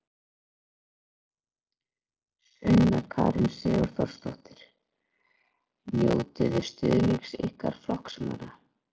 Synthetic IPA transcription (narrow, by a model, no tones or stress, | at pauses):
sʏnːaɾkʰaːɾɪnsɛːɣʏɾ̥θɔr̥st̪ɔht̪ɪɾ̥ | mjoːwt̪ɪðɪ̥st̪ʏðliksejhkaɾ̥flɔhksmaɾa